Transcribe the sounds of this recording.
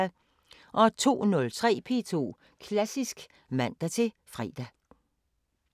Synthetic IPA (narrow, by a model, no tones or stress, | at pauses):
ʔɒ̽t͡sʰo̝̰ːnɔ̽lt͡sʰʁɛ̰ːpʰe̝̰t͡sʰo̝̰ː | kʰlæsisɡ̥ | mæn̰d̥æt͡sʰe̝ | fʁɛ̰ːd̥æ